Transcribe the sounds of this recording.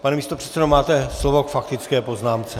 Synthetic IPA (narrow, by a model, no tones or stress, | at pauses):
panɛmiːst̪o̞pr̥ɛ̥t̪t͡sɛdomaːt̪ɛslovo̞kfakt̪ɪt͡skɛːpo̞znaːmt͡sɛ